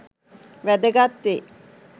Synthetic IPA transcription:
ʋæd̪əɡat̪ːe

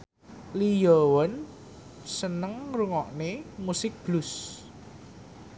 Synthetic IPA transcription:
lijɔwɔn | sənəŋruŋɔʔnemusɪk̚b̥lʊs

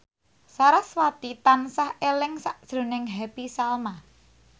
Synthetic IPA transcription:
saɾaswat̪it̪ansahelɪŋsaʔd̥ʒ̥ɾo̤nɪŋɦɛpisalma

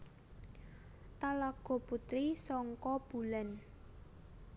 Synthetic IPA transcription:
t̪alaɡ̥ɔ̤put̪ɾisɔŋkɔb̥ulɛn

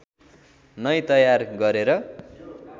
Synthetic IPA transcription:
nʌjt̪ʌjarɡʌɾeɾʌ

